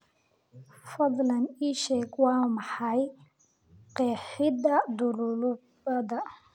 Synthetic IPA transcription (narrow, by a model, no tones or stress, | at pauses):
fɑd̪ˤlɐniːʃɛːɡwɑːmɑħɑj | qɛːħɪd̪ɐd̪ʊlʊlʊ | ɐd̪ɐ